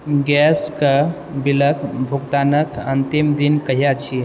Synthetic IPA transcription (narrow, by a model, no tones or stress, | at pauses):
ɡɛskə | biləkʰbʱuɡt̪anəkənt̪imd̪inkəɦjat͡ʃʰi